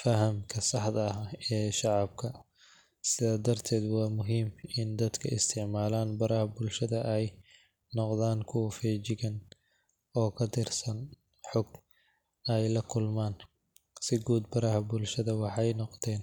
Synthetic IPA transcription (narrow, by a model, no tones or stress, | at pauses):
fɐɦɐmkʰɐsɑħd̪ɐɛːʃɑʕɑb̚kʰɐ | sɪðaːd̪ɐrt̪ʰɛːd̪wɑːmʊɦiːmɪnd̪ɐd̪kʰɐɪst̪ʰɪʕmaːlaːnbɐɾɐhɐbʊlʃɐðɐʔɛj | nɔqðaːnkʰʊwɐfɛːt͡ʃɪɣɐn | ɔːkʰɐt̪ʰɪrsɐn | ħɔɡ | ɛjlɐkʰʊlmaːn | sɪɡuːd̪̚bɐɾɐhɐbʊlʃɐðɐwɑħɑjnɔqt̪ʰɛːn